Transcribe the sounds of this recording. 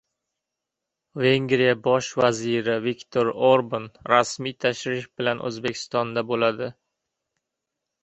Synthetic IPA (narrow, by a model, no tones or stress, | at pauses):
veŋɡɾijabɒʃvaziɾɪvikʲt̪ʰoɾoɾbanɾasmijt̪ʰaʃɾɪfbɪlanʔɵ̰zbekʲʰɪ̥st̪ɒnd̪abolad̪ɪ